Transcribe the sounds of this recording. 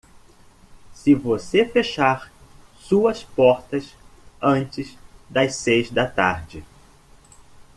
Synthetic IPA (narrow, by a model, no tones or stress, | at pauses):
sɪvosefeʃaɾsuɐspɔɾt̪ɐsɐ̃nt͡ʃɪzd̪ɐssejzd̪ɐt̪aɾd͡ʒɪ